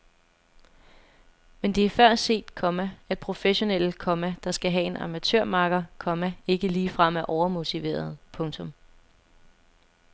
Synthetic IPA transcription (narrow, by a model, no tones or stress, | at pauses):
mend̥e̝æɐfɶɐ̰se̝̰ːd̥kʰɒ̽mææd̥̚pʰʁo̝feɕo̝nel̰əkʰɒ̽mæd̥ɑ̈sɡ̥æɦɛe̝nʔɑ̈mæt͡sʰø̰ɐ̰mɑ̈ɡ̥ɐkʰɒ̽mæe̝ɡ̥əliːfʁam̰æɐʔɒʊɐmo̝t͡sʰiʋe̝̰ːɐð̞̩ˠpʰɔ̽ŋt͡sʰɔ̽m